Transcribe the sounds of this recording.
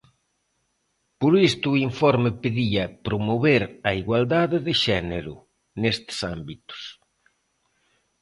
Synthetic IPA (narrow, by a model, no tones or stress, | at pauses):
poɾist̪ʊiɱfɔɾmɪpeðiɐpɾomoβeɾɐiɣwald̪aðɪðɪʃɛneɾʊ̰ | nest̪ɪ̥sambit̪ʊ̥s